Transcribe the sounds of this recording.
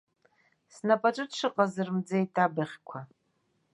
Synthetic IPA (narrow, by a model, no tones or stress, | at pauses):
snapʼaʈ͡ʂʼɨtʂɨqʼazɨrmd͡zajtʼabɨχʲkʷʰa